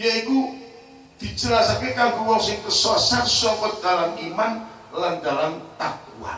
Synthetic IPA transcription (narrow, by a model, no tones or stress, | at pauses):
jaiku | d̪̥i̤d͡ʒəlasakekaŋɡuwɔŋsɪŋkəsɔsat̪sɔŋkɔt̪̚d̪̥alaŋiman | land̪alant̪ak̚ua̰